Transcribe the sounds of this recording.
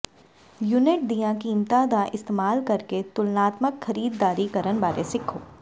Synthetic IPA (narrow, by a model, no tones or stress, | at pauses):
jʊnɪʈ̚d̪ijãkiːmt̪aːd̪aʔɪst̪eːmaːlkɐɾket̪ʊlnaːt̪məkxɐɾiːd̪ːaːɾikɐɾənbaːɾḛsɪkʰoː